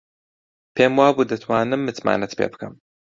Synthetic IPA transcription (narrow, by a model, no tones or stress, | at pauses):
pʰeːmwaːbuːd̪ɐt̪ʰwaːnɨmːɨt̪ma̰ːnɐt̪pʰḛːbɨkʰɐm